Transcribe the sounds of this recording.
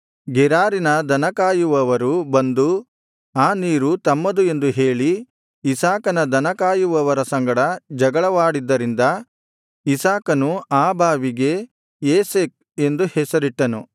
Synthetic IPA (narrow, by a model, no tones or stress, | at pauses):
ɡɛɾaːɾinɐd̪ʱɐnɐkaːjuʋɐʋɐɾubɐnd̪u | aːniːɾut̪ɐmːɐd̪ue̞nd̪uɦe̞ːɭiː | saːkɐnɐd̪ʱɐnɐkaːjuʋɐʋɐɾɐsɐŋɡɐɽɐd͡ʒɐɡɐɭɐʋaːɽid̪ːɐɾind̪ɐ | isaːkɐnuaːbʱaːʋiɡe̞ | jeːseːk̚ | e̞nd̪uhɛsɐɾiʈːɐnu